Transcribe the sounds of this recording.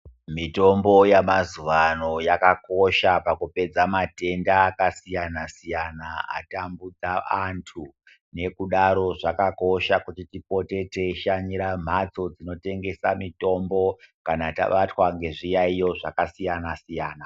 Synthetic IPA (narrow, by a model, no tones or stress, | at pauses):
mito̞mbo̞jamazuʋano̞jakako̞ʃapakupe̞d͡zamate̞ndaːkasijanasijanaa̰tambud͡zaantʰu | ne̞kuɗaɾo̞ʐakako̞ʃakutitipo̞te̞teʃaɲiɾam̤at͡so̞d͡zino̞te̞ŋɡe̞samito̞mbo̞kanata̰ɓatwaŋɡe̞ʐijaijo̞ʐakasijanasijaːna